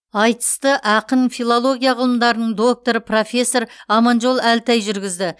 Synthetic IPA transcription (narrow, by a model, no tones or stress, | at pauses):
ɑjt̪ə̥st̪əʔɑqənfʲilˠolˠo̞ɡʲijaʁəlˠəmd̪ɑɾənəɴd̪o̞k̚t̪o̞ɾəpro̞fʲe̞sːo̞ɾɑmɑnʒo̞lˠælt̪æjʒʏɾɡʲɪzd̪ɪ